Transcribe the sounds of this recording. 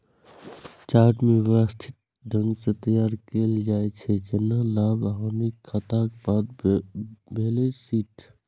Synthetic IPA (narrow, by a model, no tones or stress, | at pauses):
t͡ʃaːʈmẽʋasʈ̪ʰɪt̪̚ | ɖʱə̃ŋɡset̪əjaːɾkeːld͡ʒaːet͡ʃʰed͡ʒɐnːalaːbaɦamikʰat̪akebaːd̪ | bʱeːlesiːʈʰ